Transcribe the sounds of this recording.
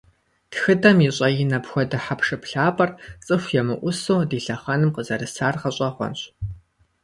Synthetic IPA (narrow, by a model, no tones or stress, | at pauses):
txɨdɐmiɕʼɐjɪnɐpxʷɔdɐħapʰʂɨpɬaːpʼɐrt͡sʼɨxʷjɛmɨʔʷʊsowdiːɬɐχɐnɨmqəzɐrɨsaːrʁɐɕʼɐχʷɔ̰nɕ